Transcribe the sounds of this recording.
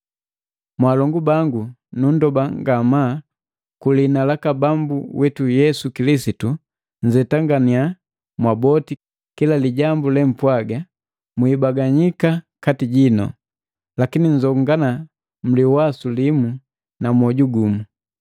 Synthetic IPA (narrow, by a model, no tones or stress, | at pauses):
mwalɔŋɡubaŋɡunun̩dɔbaŋɡama | kulinalakabambuwɛtujɛsukilisitu | ɲ̩d͡ʒɛtaŋɡania | mwabɔti | kilaliɟambulɛm̩pwaɡa | mwiːbaɡaɲikakatiɟinɔ̰ | lakiniɲ̩d͡ʒɔŋɡana | m̩liwasulimu | namwɔɟuɡumu